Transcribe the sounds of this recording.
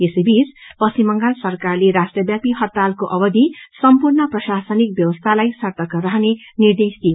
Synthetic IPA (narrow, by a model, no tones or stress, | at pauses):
esebispʌsimʌŋɡalsʌrkarleɾasʈrʌbjapiɦʌt̪ːalkoʔʌbʌd̪ʱisʌmpurnʌprʌsasʌnik̚bjʌwʌst̪ʰalajsʌrt̪ʌkɾʌɦnenird̪esd̪i